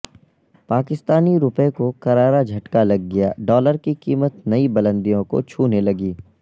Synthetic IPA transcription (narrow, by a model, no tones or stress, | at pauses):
paːkɪst̪aːniɾʊpekokɐɾaːɾad͡ʒʱɐʈkalɐɡːɐja̰ːɖɔːləɾkikiːmət̪nɐibɐlə̃nd̪ijõko̰t͡ʃʰuːnelɐɡiː